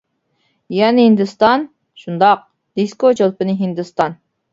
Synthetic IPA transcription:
jɛnɪhind̪ɨst̪ɑn | ʃund̪ɑq̚ | d̪iskod͡ʒolˠpɨnɨɦind̪ɨst̪ɑn

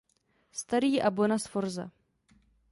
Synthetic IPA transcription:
st̪aɾiːʔabonasfoɾza̰

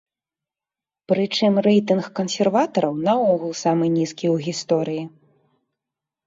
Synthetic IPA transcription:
pɾɨt͡ʂɨmrɛjt̪ɨnxkɐnsʲɛrvat̪ɐɾɐwnɐɔɣulˠsamɨnʲiskʲiwɣʲist̪ɔɾɨji

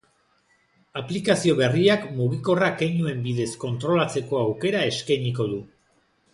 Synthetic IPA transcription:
aplikasio̞βe̞riakmuɣ̞iko̞rakejnue̞mbiðe̞sko̞nt̪ɾo̞lat͡se̞ko̞awke̞ɾae̞skajɲiko̞ðu

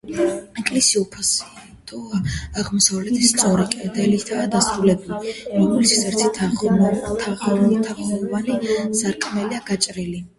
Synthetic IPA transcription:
ɛkʼlisiupʰasi | t̪ʼɔaaʁmɔsavlɛt̪ʰist̪sʼɔɾikʼɛd̪ɛlit̪ʰad̪asɾulɛbulimiɡulisi̥sɛɾt̪ʰit̪ʰ | t̪ʰaʁɔit̪ʰaχɔɔvanisaɾkʼmɛliaɡat͡ʃʼɾili

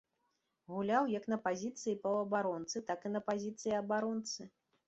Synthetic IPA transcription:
ɣulʲawjɐknɐpazʲit̪sɨjipɐɐbaɾɔnt̪sɨt̪akɨnɐpazʲit̪sɨjiɐbaɾɔnt̪sɨ

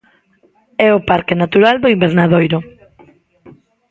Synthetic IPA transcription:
ɛʊpaɾkenat̪uɾald̪oimbeɾnaðojɾʊ

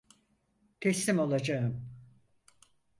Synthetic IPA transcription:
t̪ʰɛslimo̞lˠad͡ʒaɯm

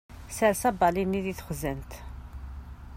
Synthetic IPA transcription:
sæɾsæbɑlinːiðiθχəzənt̪

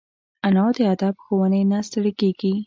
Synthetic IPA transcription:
anɑd̪əad̪ɑbxowənenast̪əɽəkeɡi

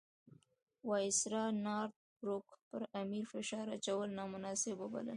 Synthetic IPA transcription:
wɑjɪsɾɑnɑɾt̪̚ | ɾʊkpəɾamiɾfɪʃɑɾat͡ʃawəlnɑmʊnɑsɪboba̰lə̰

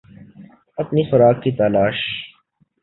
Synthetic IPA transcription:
ɐpnifɐɾaːk̚kit̪alaːʃ

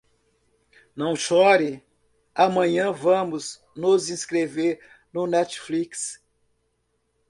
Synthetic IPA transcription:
nɐ̃w̃ʃɔɾɪ | amɐ̃ɲɐ̃vɐ̃mʊz | nʊzĩskɾeveɾ | nʊnɛt͡ʃfliks

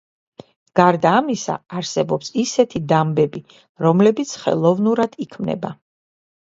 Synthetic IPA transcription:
ɡ̥aɾd̪aːmisa̰aɾsɛbɔpsisɛt̪ʰid̪ambɛbi | ɾɔmlɛbit̪sʰχɛ̰lˠɔvnuɾad̪̥ikʰmnɛ̰ba̰

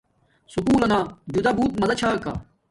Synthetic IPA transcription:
supuːlɐnaːd͡ʑud̪ɐbuːt̪̚mɐzɐt͡ɕʰaːka̰ː

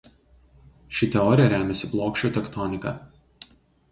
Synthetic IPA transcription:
ʃʲɪt̪ʲɛɔɾʲɪjɛɾʲæːmʲɛsʲɪblˠoːkʃʲoːt̪ʲɛkt̪ɔnʲɪkɐ̰ː

